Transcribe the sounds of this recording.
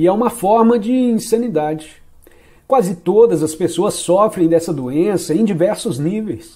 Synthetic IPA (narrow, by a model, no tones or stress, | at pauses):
ɛũmɐfɔɾmɐd͡ʒɪĩsɐ̃nid̪ad͡ʒɪ | kwazɪt̪od̪ɐzɐspesoɐsːɔfɾẽj̃d̪ɛsɐd̪oẽsɐẽj̃d͡ʒivɛɾsʊznivejs